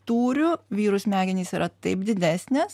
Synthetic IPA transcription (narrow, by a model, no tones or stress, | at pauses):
t̪uːɾʲʊʋʲiːɾʊsmʲæːɡʲɪnʲiːsiːɾʔɐt̪ɐɪp̚d̪ʲɪd̪ʲæːsʲnʲɛs